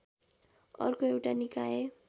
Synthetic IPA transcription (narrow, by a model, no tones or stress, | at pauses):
ʌ̰rkoewʈanikaje